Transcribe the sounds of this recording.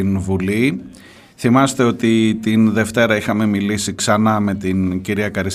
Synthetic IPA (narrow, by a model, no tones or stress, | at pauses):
invuli | θimɐst̪e̞o̞t̪it̪inðe̞ft̪e̞ɾɐixɐme̞milisiksɐnɐme̞t̪inciɾiɐkɐɾis